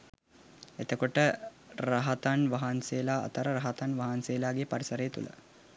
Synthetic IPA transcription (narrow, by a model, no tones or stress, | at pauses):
et̪əkoʈə | ɾɐɦɐt̪anʋɐɦanseːlaːɐ̰t̪əɾəɾɐɦat̪anʋɐɦanseːlaːɡepɐɾisəɾejːt̪ṵlɐ̰